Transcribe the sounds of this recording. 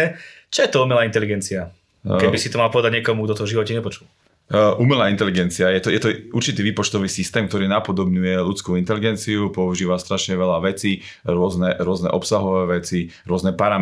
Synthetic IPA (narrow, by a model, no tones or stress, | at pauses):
t͡ʃɔjɛt̪ɔumɛlaːint̪ɛliɡɛnt͡sia | kɛbisit̪ɔmalˠpɔʋɛd̪aɟɲɪɛkɔmuɡd̪ɔt̪ɔvʒiʋɔcɛɲɛpɔt͡ʃul | ʔumɛlaːint̪ɛliɡɛnt͡siajɛt̪ɔjɛt̪ɔʔuɾt͡ʃit̪iːʋiːpɔt͡ʃt̪ɔʋiːsist̪ɛːmk̚t̪ɔɾiːnapɔd̪ɔbɲujɛlut͡skuint̪ɛliɡɛnt͡siupɔuʒiːʋast̪ɾaʃɲɛʋɛlaʋɛt͡si | ɾʊɔznɛɾʊɔznɛ̰ʔɔpsaɦɔʋɛːʋɛt͡siɾʊɔznɛpaɾam